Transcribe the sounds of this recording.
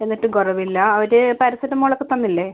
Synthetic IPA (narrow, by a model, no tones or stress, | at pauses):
e̞nːiʈːɨɡorɐʋilːɐːʋɐɾepɐɾɐsɐɾɐmoɭɐkːɨt̪ːɐnːilːeː